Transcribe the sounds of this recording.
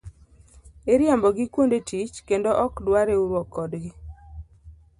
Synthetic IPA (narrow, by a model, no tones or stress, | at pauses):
eɾjambɔɡɪkwondetit͡ʃkendoʔɔkdwaɾeuɾwɔkːɔdɡɪ